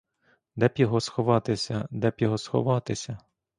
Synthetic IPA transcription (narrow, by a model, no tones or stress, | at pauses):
d̪ɛpʲjɔɦɔsxɔʋɑt̪ɪsʲɐd̪ɛpʲjɔɦɔsxɔ̰ʋɑt̪ɪsʲɐ